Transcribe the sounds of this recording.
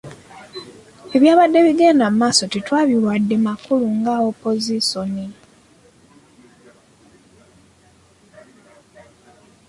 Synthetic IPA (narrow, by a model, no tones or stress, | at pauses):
e̞βjaːβadːe̞βiɡeːndamumaːso̞titwaːβilwadːemakuluŋɡaopo̞ziso̞ni